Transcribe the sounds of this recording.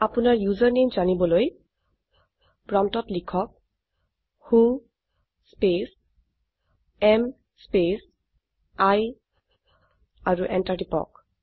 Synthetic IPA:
apunaɹjuzaɹnimzanibɔloj | pɹamtɔtlikʰɔk̚ | hũ | spes | ɛm | spes | aj | aɹuʔɛntaɹdipɔ̰k̚

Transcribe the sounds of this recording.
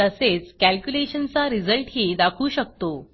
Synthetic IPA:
əset͡skælkjuleɕənt͡saɾid͡zəlʈɦiːd̪akʰuːɕəkt̪o

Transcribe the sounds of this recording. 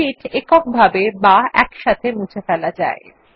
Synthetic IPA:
iʈekɔk̚bʱabebaɛ̰kʃat̪ʰemũt͡ɕʰefɛlad͡ʑa̰e

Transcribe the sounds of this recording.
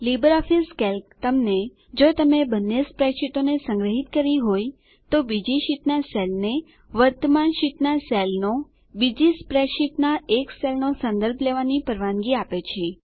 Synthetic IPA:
libəɾɔfiskɛlkt̪əmne | d͡ʒot̪əmebənːespɾeʃit̪onesə̃ŋɡɾəɦit̪kəɾiɦoj | t̪obid͡ʒiʃit̪naselne | ʋəɾt̪əmanʃit̪naselno | bid͡ʒispɾeʃit̪naekselnosə̃nd̪əɾbʱleʋanipəɾʋanɡiapet͡ʃʰe

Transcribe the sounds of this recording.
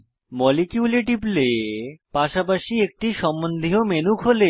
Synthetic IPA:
mɔlikjuleʈiplepaʃapaʃiek̚ʈiʃɔmbond̪ʱiɦomenukʰɦole

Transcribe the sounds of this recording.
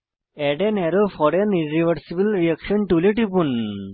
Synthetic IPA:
ɛɖenɛɾofɔɾeniɾiʋəɾsibəlɾiɐkʃɔnʈuleʈipun

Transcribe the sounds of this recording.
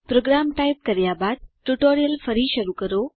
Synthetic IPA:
pɾoːɡɾamʈajp̚kəɾjabaːd̪̚ʈuʈoːɾijəlfʰəɾiːʃəɾukəɾoː

